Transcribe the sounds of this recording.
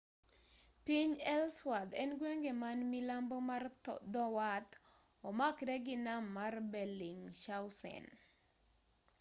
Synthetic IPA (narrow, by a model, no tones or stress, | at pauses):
piɲɛlswad̪ɛnɡweŋɡemanmilambɔmard̪ɔwat̪ | ɔmakdɛɡɪnamːarbɛliŋʃawsɛ̰n